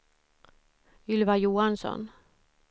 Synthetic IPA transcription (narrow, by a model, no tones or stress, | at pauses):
ʏlvajuːansɔ̰n